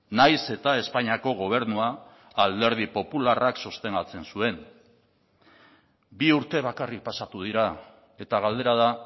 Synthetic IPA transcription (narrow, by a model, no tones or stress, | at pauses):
najse̞t̪ae̞spaɲiako̞ɣ̞o̞β̞e̞ɾnuaː | ld̪e̞ɾð̞ipo̞pularakso̞st̪e̞ŋɡat͡se̞nsue̞n | biuɾt̪e̞β̞akarik̚pasat̪uðiɾa | e̞t̪aɣ̞ald̪e̞ɾað̞a